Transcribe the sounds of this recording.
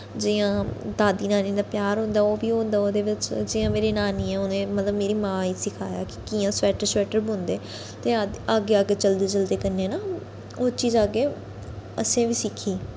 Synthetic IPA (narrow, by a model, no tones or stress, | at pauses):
d͡ʒɪːãːd̪aːd̪iːnaːnĩːd̪aːpjaːɾɦõːnd̪aːoːʋiːɦõːnd̪aːoːd̪eːʋɪt͡ʃd͡ʒɪːãːmeːɾeːnaːniːɛːʊnẽːmət̪ləbmeːɾiːmãːiːsɪkʰaːja̰ːkɪ̥kiːãːsɛːʈəɾswɛːʈəɾbõːnd̪eː | t̪eːaaːɡeːaːɡeːt͡ʃəld̪eːt͡ʃəld̪eːkənːeːnaː | oːt͡ʃiːzaːɡeː | əsẽːʋiːsɪkʰːiː